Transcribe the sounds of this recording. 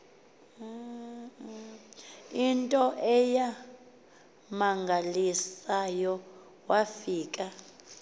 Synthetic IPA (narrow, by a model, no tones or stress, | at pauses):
intʼɔʔɛja | maŋɡʱalisajɔ | wafiːkʼa